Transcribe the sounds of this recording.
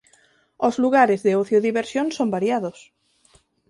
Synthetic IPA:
ozluɣaɾɪzðeoθjoðiβeɾsjõŋsombaɾjaðos

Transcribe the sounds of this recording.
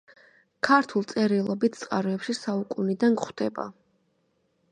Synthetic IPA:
kʰaɾt̪ʰulˠt̪sʼɛɾilˠɔbit̪ʰt̪sʼqʼaɾɔɛpʃisaukʼunid̪anɡχwd̪̥ɛba̰

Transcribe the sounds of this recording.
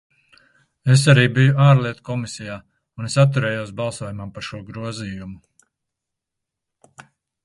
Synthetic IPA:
es̬aɾiːbijuaːɾlˠiɛt̪kɔmisijaː | unesat̪̬ːuɾɛːjusbɑlˠsuɔjumampaɾʃuɔɡɾuɔziːjumu

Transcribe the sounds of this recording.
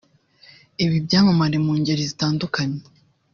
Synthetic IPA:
iβibɟaːmamaɾemuːɲɟe̞ɾizitaːndukaɲe

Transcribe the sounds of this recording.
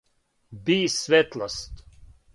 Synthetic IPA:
biːsvɛt̪last̪

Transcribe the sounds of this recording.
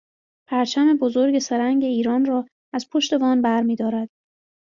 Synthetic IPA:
pʰæɾt͡ʃʰæme̞bozo̞ɾɟe̞seɾæŋɟe̞iːɾɒːnrɒː | æzpʰoʃt̪e̞vɒːnbæɾmiːd̪ɒːɾæd̪̥

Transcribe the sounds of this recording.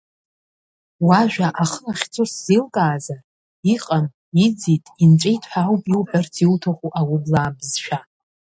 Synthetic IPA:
waʒᶣaʔaχəlaχʲt͡sʰʷʼʊsz̥ilkʼaːza | iqʼan | id͡zitʼimt͡ʃʼejtʰʼħawpʼiwpʼart͡sʰiltʰaχʷuʔawʊblaːbzʃᶣa

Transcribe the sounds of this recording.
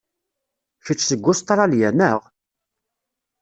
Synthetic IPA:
çit͡sːsəɡʷːʊst̪ɾˤɑljænəʁ

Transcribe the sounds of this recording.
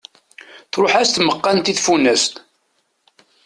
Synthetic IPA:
θɾˤʊħæst̪məqːɑnt̪iθfunæst̪

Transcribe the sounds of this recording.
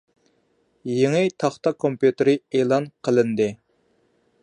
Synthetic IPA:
jeŋɨt̪ʰɑχt̪ɑkʰompjut̪ɪɾɪeːlˠɑnqʰəlˠɨnd̪ɨ

